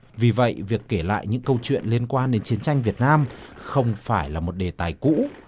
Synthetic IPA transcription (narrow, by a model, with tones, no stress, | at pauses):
vi˨˩və̰˧˨jvi˨˩əkːe˧˩la̰ː˧˨jɲɨ̰˧˥ŋkə˧wt͡ɕwḭ˧˨ənli˧ənkwaː˧nɗe˨˦nt͡ɕi˨˦ənt͡ɕa˧jŋ̟vi˨˩ət̚naː˧mxə˧wŋ͡mfaː˧˩jlaː˨˩mo˨˩t̚ɗe˨˩t̪aː˨˩jkṵ˧˥